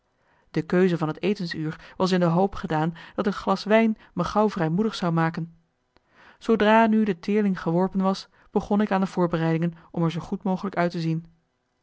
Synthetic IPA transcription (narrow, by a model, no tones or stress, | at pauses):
d̥əkøɥzəvɑnɦətejtənsyːɹʋɑs̬ɪndəɦowpχədaːnd̥ɑtətχlɑsʋɛjn | məχɑwvrɛjmudəχsɑwmaːkən | sowdraːnydətɪːɹlɪŋχəʋɔɹpənʋɑs | b̥əχɔnɪkaːndəvʊːɹbərɛjdɪŋənʔɔmɛɹzowχutmowχələkœɥtəzin